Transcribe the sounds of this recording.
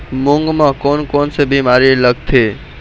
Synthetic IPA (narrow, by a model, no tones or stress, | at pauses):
muŋɡməkonkonsebimaɾiləɡt̪ʰe